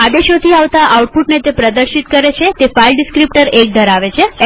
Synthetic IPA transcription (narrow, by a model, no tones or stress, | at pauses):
ad̪eʃot̪ʰiaʋt̪aʔauʈ̚puʈned͡ʒepɾəd̪əɾʃit̪kəɾet͡ʃʰet̪efailɖɪskɾip̚ʈəɾek̚d̪ʱəɾaʋet͡ʃʰe